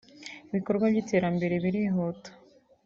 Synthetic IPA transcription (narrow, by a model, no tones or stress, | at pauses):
iβiko̞ɾɡwabjiːte̞ːɾambe̞ɾe̞βiɾiɦoto̥